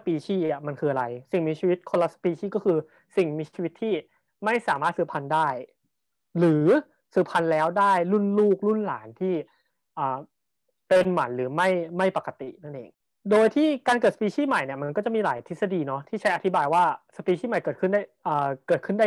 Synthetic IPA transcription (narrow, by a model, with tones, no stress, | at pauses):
spiː˧t͡ɕʰiː˥˩ʔa˨˩ma˧nkʰɯː˧ʔa˧ɾa˧jsi˨˩ŋmiː˧t͡ɕʰiː˧wi˦˥t̪̚kʰo˧nla˧sḁ˧piː˧t͡ɕʰiː˥˩kɔː˥˩kʰɯː˧ | si˨˩ŋmiː˧t͡ɕʰi˧wi˦t̪ʰːiː˥˩ | ma˥˩jsaː˩˦maː˥˩sɯː˧˩pʰa˧ndaː˥˩j | ɾɯː˩˦ | sɯː˧˩pʰa˧nlɛː˦˥wdaː˥˩jlu˥˩nluː˥˩k̚lu˥˩nla̰ː˩˦nt̪ʰiː˥˩ | ʔaː˨˩ | pe˧nma̰˩˦nɾɯː˩˦ma˥˩jma˥˩jpa˨˩kːa˨˧t̪ḭ˨˩ʔna˥˩nʔḛː˧ŋ | doː˧jt̪ʰiː˥˩kaː˧nkɤː˨˩t̪̚a˧piː˧t͡ɕʰiː˥˩ma˨˩jni˧˩ɐma˧nkɔ˥˩t͡ɕa˨˩miː˧laː˩˦jt̪ʰi˦˥t̪sa˧diː˧nɔ˦˥t̪ʰiː˥˩t͡ɕʰa˦˥jʔa˧t̪ʰi˦baː˧jwaː˥˩sa˧piː˧t͡ɕʰiː˥˩ma˨˩jkɤː˨˩t̪kʰɯ˥˩nda˥˩ʔɤː˨˩kɤː˨˩t̪̚kʰɯ˥˩ndaː˥˩